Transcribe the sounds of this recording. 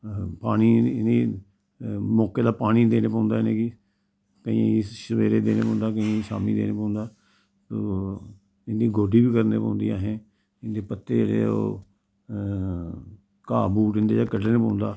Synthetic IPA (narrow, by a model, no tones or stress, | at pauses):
paːɽ̃iːniː | mɔːkeːd̪aːpaːɽ̃iːd̪eːneːpãːnd̪aːnẽːki | kəḭ̃ːiːʃəʋeːɾeːd̪eːneːpɔ̃ːnd̪aːkəĩʃaːmḭːd̪ḛːneːpãːnd̪aː | soː | ɪnd̪iːɡoːɖiːbiːkəɾnḛːpã̰ːʊ̃nd̪ḭːaːɦẽː | ɪnd̪eːpət̪ːḛːd͡ʒḛːɽḛːo̰ː | kaːbuːʈɪnd̪ḛːd͡ʒaːkəʈəneːpãːʊnd̪aː